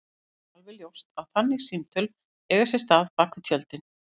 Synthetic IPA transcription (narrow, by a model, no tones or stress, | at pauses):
alvɪljowst̪aðθanːɪɣsint̪ʏl | ɛɣasjɛst̪aːðpaːkʏt̪ʰjœlt̪ɪn